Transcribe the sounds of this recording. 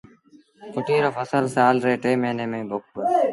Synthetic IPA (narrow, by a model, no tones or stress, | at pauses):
pʊʈiːɾəfəsəlsaːlɾeːʈɾeːmeːneːmẽːboːk̚bəɾ